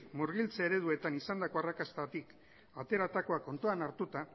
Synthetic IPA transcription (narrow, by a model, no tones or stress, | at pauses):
muɾɣ̞ilt͡saeɾe̞ðue̞t̪anisand̪ako̞arakast̪at̪ik | at̪e̞ɾat̪ako̞ako̞nt̪oanaɾt̪ut̪a